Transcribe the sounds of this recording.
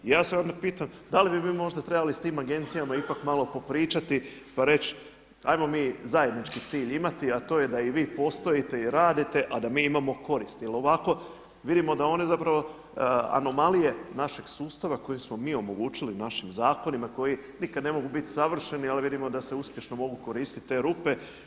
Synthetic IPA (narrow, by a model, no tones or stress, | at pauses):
jaːseo̞nd̪apiːt̪amd̪alibimiːmo̞ʒd̪at̪ɾe̞balist̪iːmaɡe̞nt̪sijamaipakmalˠo̞po̞pɾiːt͡ʃat̪ipaɾe̞t͡ɕ | a̰jmo̞miːzaje̞d̪nit͡ʃkit̪siːʎimat̪iat̪o̞ːje̞d̪aiʋiːpo̞st̪o̞jit̪e̞iɾaːd̪it̪e̞ʔad̪amiːimamo̞ko̞ɾist̪jelˠo̞ʋako̞ | ʋid̪imo̞d̪ao̞nezapɾaʋo̞ | a̰no̞malije̞naʃe̞ɡ̥suːst̪aʋako̞jimsmo̞miːo̞mo̞ɡuːt͡ɕilinaʃimzaːko̞nimako̞jinikad̪ne̞mo̞ɡubit̪saʋr̩ʃe̞nialiʋid̪imo̞d̪ase̞uspje̞ʃno̞mo̞ɡuko̞ɾiːst̪it̪t̪ːe̞ːɾupe̞